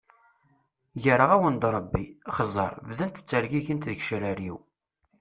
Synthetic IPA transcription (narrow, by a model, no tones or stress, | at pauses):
jəɾəʁæwənd̪ɾˤəbːiχəzˤːɑ̰ɾˤvðənt̪ə̥t͡sːəɾɡiʝənt̪ðəçʃɾəɾiw